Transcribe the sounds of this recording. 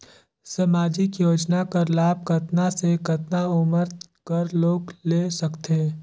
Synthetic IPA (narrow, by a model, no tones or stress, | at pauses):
sɐmaːd͡ʒɪkjoːd͡ʒnakəɾlaːb̚kɐt̪nasekɐt̪naʊməɾkəɾloːɡleːsɐkt̪e